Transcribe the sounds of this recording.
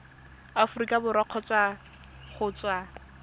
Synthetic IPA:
afʊrikʼabʊɾɔq͡χʰɔt͡sʼwa | χʊt͡swa

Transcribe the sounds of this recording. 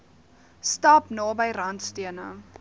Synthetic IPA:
stɑpnɑːbəjrɐntstiənə

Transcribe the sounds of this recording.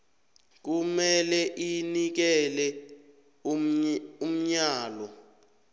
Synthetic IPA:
k̬umɛlɛʔinik̬ɛlɛ | um̩ɲaːlɔ

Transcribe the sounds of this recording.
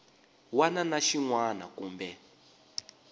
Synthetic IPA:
wananaʃiŋwana̰kuːmbɛ

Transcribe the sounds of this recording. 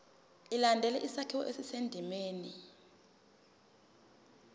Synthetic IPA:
ilandʱɛlɛʔisatʰiwɔ̰ʔesisendʱimeːni

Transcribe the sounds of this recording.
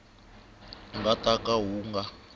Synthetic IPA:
ŋɡatʼakaɦuːŋɡa

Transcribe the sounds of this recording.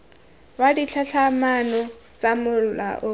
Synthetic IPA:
wadit͡ɬʰaɬʰamanɔ | t͡sʼamʊla̰ʔʊ

